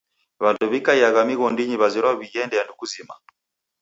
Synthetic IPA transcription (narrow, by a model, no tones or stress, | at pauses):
βantuβikaiaɣamiɣɔndiɲiβaziɾaβijɛndɛjandukuzima̰